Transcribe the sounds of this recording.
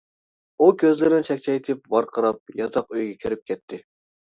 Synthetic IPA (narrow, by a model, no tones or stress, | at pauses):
ukʲʰøzlɪɾɪnɪt͡ʃʰɛkʲt͡ʃʰɛjt̪ʰɪpvɑɾqʰəɾɑp̚jɑt̪ʰɑqøjɡʲɛkʲʰiɾɪp̚kʲʰɛt̪ʰːɪ